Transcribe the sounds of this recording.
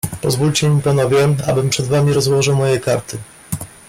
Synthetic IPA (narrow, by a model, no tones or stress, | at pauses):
pɔzvulʲt͡ɕɛmʲipanɔvʲjɛa̰bɘmpʂɛd̪vamʲiɾɔzwɔʐɘwmɔjɛkaɾt̪ɘ